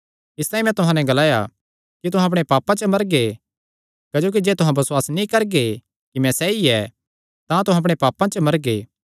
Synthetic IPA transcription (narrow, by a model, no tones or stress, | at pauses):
ɪst̪aːĩmɛ̃t̪ʊɦãnɛɡɐlaːja̰ | kit̪̬ʊɦãɐp̬ɽ̃epaːpːãt͡ʃəmɐɾɡe | kaːd͡ʒoːk̬id͡ʒeːt̪ʊɦãbɐswaːsnĩkɐɾɡe | kimɛ̃sɛiɛ | t̪ãt̪ʊɦãɐp̬ɽ̃epaːpːãt͡ʃəmɐɾɡḛː